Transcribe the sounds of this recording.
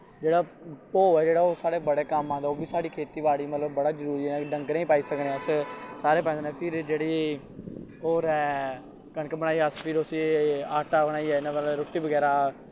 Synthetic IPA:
d͡ʒeːɽaː | poːɛːd͡ʒeːɽaːoːsaːɽeːbəɽeːkəmãːd̪aoːbiːsaːɽiːkʰeːt̪iːʋaːɽiːmət̪ləbːəɽaːzəɾuːɾiːɛɖəŋɡɾeĩːpaːiːsəkneɛːəssaːɾeːp̬ɛ̃ːd̪ːnɛːpʰɪɾd͡ʒeːɽeː | oːɾɛː | kəɳkebəɽ̃aːiːəspʰɪɾosiaːʈaːbəɽaːiːɛːɪnãːblɾʊʈːiːbəɡɛːɾaː

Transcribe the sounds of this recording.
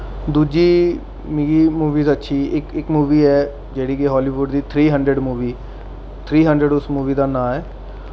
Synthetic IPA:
d̪uːd͡ʒiː | miːɡiːmuːʋiːzətːʃʰiːɪkɪkmuːʋiːɛː | d͡ʒeːɽiːkeɦɔːliːʋʊɖd̪iːt̪ʰɾiːɦə̃ɳɖɾəɖmuːʋiː | t̪ʰɾiːɦəɳɖɾəɖʊsmuːʋiːd̪aːnãːɛː

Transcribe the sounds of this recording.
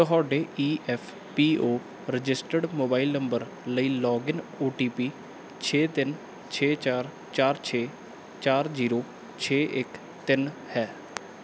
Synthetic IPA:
t̪əɦɔːɖeːiːʔɛːpʰ | piːoː | ɾɪd͡ʒɪsʈəɖmoːbaːilnəmbəɾ | ləiːlɔːɡɪnoːʈiːpiː | t͡ʃʰeːt̪ɪn | t͡ʃʰeːt͡ʃaːɾ | t͡ʃaːɾt͡ʃʰeː | t͡ʃaːɾziːɾoː | t͡ʃʰeːʔɪk | t̪ɪnhɛː

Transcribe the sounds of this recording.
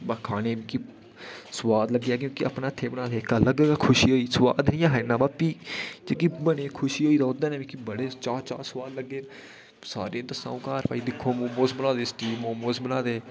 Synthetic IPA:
bakʰaːneːbiːki | səwaːd̪ləɡːeaːk̬jõːkɪʔə̰pnaːɪt̪ʰːeːbənãːd̪eːkaːləɡɡakʰʊʃiːɦoːiːsəwa̰ːd̪nĩːãːɦɛːnãːbaːpiːd͡ʒeːkibəɽeːkʰʊʃiːɦoːiːd̪aːod̪ãːneːʋĩːkibəɽeːt͡ʃaːɾt͡ʃaːɾswaːd̪ləɡːeː | sa̰ːɾeːd̪əsã̰ːõːkaːɾpʰaːiːd̪ɪkʰːoːmoːmoːsbənãːd̪eːsʈiːmõːmoːsbənaːd̪eː

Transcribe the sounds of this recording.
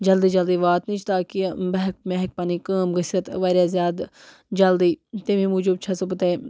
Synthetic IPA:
d͡ʒɐld̪iːd͡ʒɐld̪iːʋaːt̪nit͡ʃʰt̪aːkibɐɦk̚meɦk̚paːnikaːmɣəsɐt̪ʋaːɾjaːzjaːd̪ | d͡ʒɐld̪iːt̪emĩmuːd͡ʒobt͡ʃʰaːsopɐt̪aːi

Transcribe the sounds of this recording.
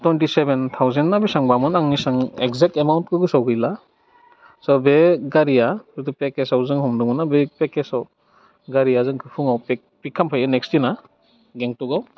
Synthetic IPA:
twentisebent̪ʰawzenːabesaŋbamɯnaŋnisaŋekzek̚temawnt̚kʰɯɡɯsawɡɯjla | sɔbeɡaɾijakɯtɯpekesawzɯŋhɔmdɯŋmɯnabepekesaw | ɡaɾijazɯŋkʰɯpʰɯŋawp | pikʰːampʰajɯnekstina | ɡeŋtuɡaw

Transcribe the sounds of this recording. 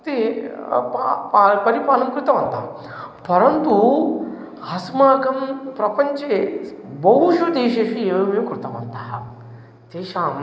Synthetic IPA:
t̪e | ppːpɐɾipaːlɐmkɾut̪ɐmɐnt̪a̰ː | pɐɾɐnt̪u | hɐsmaːkɐmpɾɐpɐɲt͡ʃebɐɦuʂud̪eːʃeʂieːʋɐʋikɾut̪ɐmɐ̰nt̪aː | t̪eːʃaːm

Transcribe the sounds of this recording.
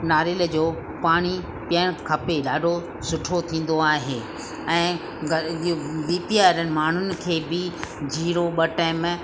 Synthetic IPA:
naːɾɪld͡ʑoː | paːɽ̃i | pjəɽ̃kʰɐpeɗaːɖʱo | sʊʈʰot̪ʰĩːn̆d̪oaːɦeː | ɛ̃ː | ɡ | ʋiːpiaːɾənɪ̆maːɳ̤ʊnɪ̆kʰeːbɪd͡ʑʱiːɾoɓɐʈɛːm

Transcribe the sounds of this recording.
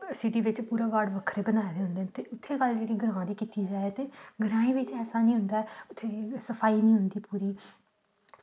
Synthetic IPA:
sɪʈiːʋɪt͡ʃpuːɾaːʋaːɖʋəkʰɾeːbənaːeːd̪eːɦʊ̃nd̪eːnt̪eːʔʊt̪ʰːeːɡəld͡ʒeːɽiːɡʱəɾãːãːd̪iːkit̪iːd͡ʒaːet̪eːɡəɾãːĩːʋɪt͡ʃɛːsaːnĩːɦʊ̃nd̪aːɛʊt̪ʰːeːsəpʰaːiːnĩːɦʊnd̪iːpuːɾiː

